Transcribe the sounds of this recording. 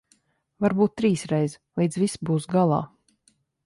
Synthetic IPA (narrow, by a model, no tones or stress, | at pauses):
vaɾbuːt̪̚ːɾiːsɾɛjz | lˠiːd̪zvisbuːsɡalˠɑ̰ː